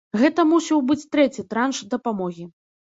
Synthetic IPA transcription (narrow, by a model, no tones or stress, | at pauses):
ɣɛt̪ɐmusʲɛwbɨt͡sʲt̪ɾɛt͡sʲit̪ɾanʂd̪ɐpamɔɣʲi